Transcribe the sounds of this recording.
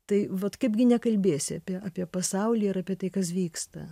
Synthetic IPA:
t̪ɐɪʋɐt̪kɐɪpɡʲɪnʲɛkɐlʲbʲeːsʲɪɐpʲiɛɑːpʲiɛpɐsɐʊlʲiːɪɾɐːpʲiɛt̪ɐɪkɐsʋʲiːkst̪ɐ̰

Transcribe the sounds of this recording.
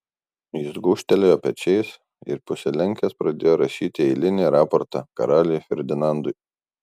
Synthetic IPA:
jɪsɡʊːʃʲt̪ʲɛlʲejoːpʲɛt͡ʃʲɛɪs | ɪ̰ɾpʊsʲɛlʲɛŋʲkʲɛspɾɐd̪ʲeːjoːɾɐʃʲiːt̪ʲɪɛɪlʲɪnʲiɾɑːpɔɾt̪ɑkɐɾɑːlʲɪjfʲɛɾʲd̪ʲɪnɑˑnd̪ʊɪ

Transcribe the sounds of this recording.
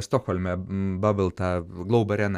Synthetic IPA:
st̪oxolʲmʲɛbɐbʲɪlˠt̪ɑːɡlˠoʊbɐɾʲɛn

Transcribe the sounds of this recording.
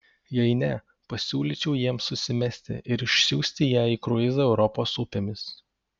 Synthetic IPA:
jɛɪnʲɛ | pɐsʲuːlʲiːˑt͡ʃʲɛʊjiɛmsʊsʲɪmʲɛsʲt̪ʲɪ̰ʔɪɾɪʃʲsʲuːsʲt̪ʲɪjæːiːkɾʊɪzɐɛʊɾɔpoːsʊpʲemʲɪs

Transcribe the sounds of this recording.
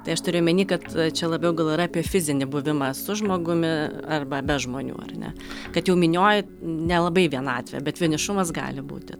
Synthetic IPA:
t̪ɐɪɐʃt̪ʊɾʲeːjʊmʲɛnʲiːkɐt̪t͡ʃʲɛlˠɐbʲɛʊɡɐlˠiɪɾɐɑpʲiɛfʲɪzʲɪnʲɪbʊʋʲɪmɐsʊʒmoːɡʊmʲɪɐrbɐbʲɛʒmoːnʲṵːɐ̰rnʲɛ̰kɐt̪jɛʊmʲɪnʲoːjɪ | nʲɛlˠɐbɐɪʋʲiɛnɑ̰ːt̪ʲʋʲɛ̰bʲɛt̪ʋʲɪnʲɪʃʊmɐs̬ɡɑ̰ːlʲɪbṵːt̪ʲɪ

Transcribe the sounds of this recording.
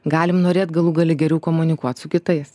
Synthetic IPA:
ɡɑːlʲɪmnoːɾʲeːt̪ɡɐlˠuːɡɐlʲɪɡʲɛɾʲɛʊkoːmʊnʲɪkuɔt̪sʊkʲɪt̪ɐɪs

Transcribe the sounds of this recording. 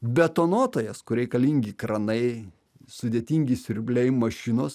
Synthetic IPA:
bʲɛt̪oːnoːt̪oːjɛskʊɾʲɛɪkɐlʲiŋʲɡʲikɾɐnɐɪ | sʊd̪ʲeːt̪ʲiŋʲɡʲɪsʲɪɾʲbʲlʲɛɪmɐʃʲɪnoːs

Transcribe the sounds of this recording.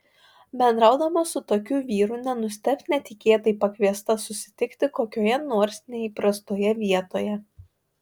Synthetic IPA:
bʲɛnd̪ɾɑˑʊd̪ɐmosʊt̪oːkʲuːʋʲiːɾuːnʲɛnʊsʲt̪ʲɛp̪ʲnʲɛt̪ʲɪkʲeːt̪ɐɪpɐkʲʋʲiɛst̪ɐsʊsʲɪ̥t̪ʲɪkt̪ʲɪkoːkʲoːjɛnoːɾʲsʲnʲɛiːpɾɐst̪oːjɛʋʲiɛt̪oːjɛ

